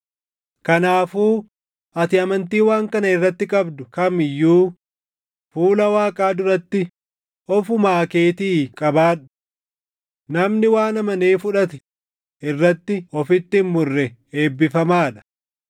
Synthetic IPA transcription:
kɐnaːfuː | ʔɐt̪ɪɐmɐnt̪iːwaːŋkɐnɐɪrːɐt̪ːɪkʼɐbd̪ʊkɐmɪjːuː | fuːlɐwaːkʼaːd̪ʊɾɐt̪ːɪ | ɔfʊmaːke̞ːt̪iːkʼɐbaːᶑʊ̥ | nɐmnɪwaːnɐmɐneːfʊᶑɐt̪ɪ | ʔɪrːɐt̪ːɪɔfɪt̪ːɪmʊrːɛe̞ːbːɪfɐmaːᶑɐ̥

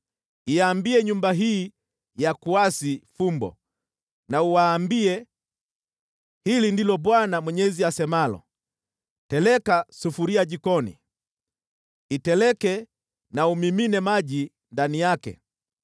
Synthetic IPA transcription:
iaːmbiɛɲumbaɦiː | jakuasifumbɔ̰ | nauwaːmbiɛ | hilindilɔɓwanamwɛɲɛziasɛmalɔ̰ | tɛlɛkasufuɾiaʄikɔnḭ | tɛlɛkɛ | naumiminɛmaʄi | ndanijakɛ̰

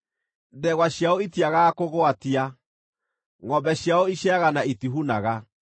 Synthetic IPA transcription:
ðɛɣwaɕjaoitiaɣakoɣoatia | ŋɔmbɛɕjaoiʃɛaɣanaitiɦunaɣa

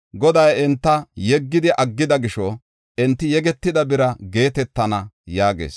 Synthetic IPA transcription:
ɡɔd̪ɐjɛnt̪ːɐjɛɡːɪd̪ɪʔɐɡːɪd̪ɐɡɪʃɔ | ʔɛnt̪ːɪjɛɡɛt̪ːɪd̪ɐbɪɾɐɡe̞ːt̪ɛt̪ːɐnɐjaːɡḛːs

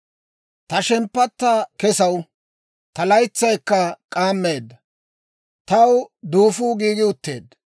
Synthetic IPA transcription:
t̪ɐʃɛmpːɐt̪ːaːkɛsɐw | t̪ɐlɐjt͡sːɐjkːɐkʼaːmːe̞ːd̪ːɐ | t̪ɐwd̪uːfuːɡiːɡɪʊt̪ːe̞ːd̪

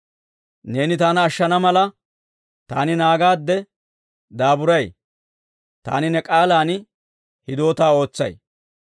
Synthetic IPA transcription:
ne̞ːnɪt̪aːnɐːʃːɐnɐmɐlɐ | t̪aːnɪnaːɡaːd̪ːɛ | d̪aːbʊɾɐj | t̪a̰ːnɪnɛkʼaːlaːn | hɪd̪o̞ːt̪aːo̞ːt͡sːɐ̰j

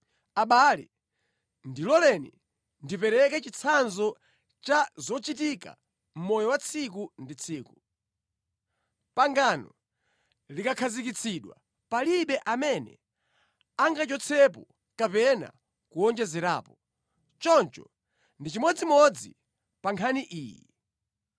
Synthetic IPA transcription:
aɓalḭ | ndilɔlɛnḭ | ndipɛɾɛkɛt͡ʃit͡sʰanzɔ | t͡ʃazɔt͡ʃit̬ika̰ | m̩mɔjɔwat͡sʰikundit͡sʰiːku | paŋɡanɔ | likakʰazikit͡sʰiɗwa̰ | paliɓɛʔamɛnɛ̰ | aŋɡat͡ʃɔt͡sʰɛp̬ɔ | kapɛna̰ | kuɔnd͡ʒɛzɛɾa̰ːpɔ | t͡ʃɔnt͡ʃɔ | ndit͡ʃimɔd͡zimɔd͡zi | paŋkʰaniʔiːjḭ

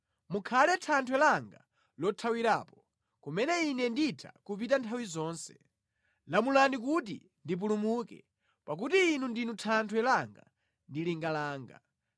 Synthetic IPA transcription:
mukʰalɛtʰantʰwɛlaŋɡa | lɔtʰawiɾaːpɔ | kumɛnɛinɛnditʰa̰kupitantʰawizɔːnsɛ̥ | lamulanik̬utḭ | ndip̬ulumuːkɛ̰ | pak̬utiːnundinutʰantʰwɛlaŋɡa̰ | ndiliŋɡalaːŋɡa̰

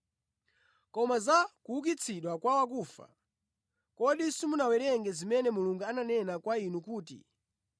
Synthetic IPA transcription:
kɔmazakuuk̬it͡sʰiɗwakwawak̬uːfa̰ | kɔɗisimunawɛɾɛŋɡɛzimɛnɛmuluŋɡuananɛnakwainukuːtḭ

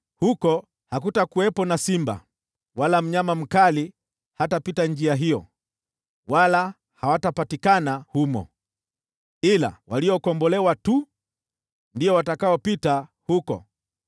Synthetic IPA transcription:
hukɔ | hak̬utakuwɛpɔnasimba̰ | walam̩ɲamam̩kali | hatapitand͡ʒiaɦijɔ | wala | hawatapatikanahumɔ̰ | ila̰waliɔkɔmbɔlɛwatu | ndiɔwatakaɔpita | hukɔ̰

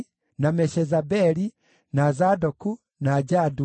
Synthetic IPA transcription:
namɛʃɛzabɛli | naːzadɔku | naːd͡ʒadu

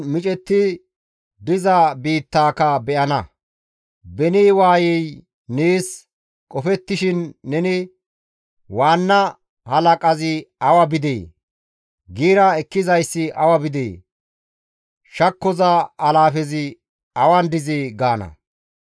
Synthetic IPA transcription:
mɪt͡ʃʼɛt̪ːɪ | d̪ɪzɐbiːt̪ːaːkɐbɛʔɐnɐ | bɛniːwaːjɛj | niːs | kʼɔfɛt̪ːɪʃɪnːɛnɪ | waːnːɐ | hɐlɐkʼɐzɪɐwɐbɪd̪ḛː | ɡiːɾɐɛkːɪzɐjsːɪʔɐwɐbɪd̪ḛː | ʃɐkːɔzɐːlaːfɛzɪ | ɐwɐnd̪ɪzɪɡaːnɐ̰

